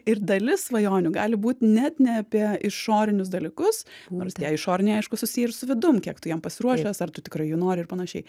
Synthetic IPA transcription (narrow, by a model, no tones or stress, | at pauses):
ɪrd̪ɐlʲɪsʋɐjoːnʲʊɡɑːlʲɪbuːt̪ʲnʲɛt̪nʲɛɐpʲiɛʔɪʃoːɾʲɪnʲʊsd̪ɐlʲɪkʊsnoːrsjɛːɪʃoːɾʲɪnʲɛɪɛɪʃkʊsʊsʲijɛsʊʋʲɪd̪ʊmkʲiɛkt̪ʊjɛmpɐsʲɪɾuɔʃʲɛsɐrt̪ʊtʲɪkɾɐɪjʊnoːɾʲɪɪrpɐnɐʃʲɛɪ